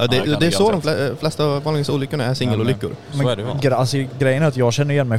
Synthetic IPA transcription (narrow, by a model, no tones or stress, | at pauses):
ɑd̪ɛd̪ɛːsɔd̪ɔmfflɛst̪aːvvɑːlɪsuːlʏkːʊɳaæʂɪŋːəlʊlʏkːʊ̰ɾmɛɡalsɔɡɾɛjːənæɾat̪jɑːɡɕɛnːəɾɪjɛnmɛj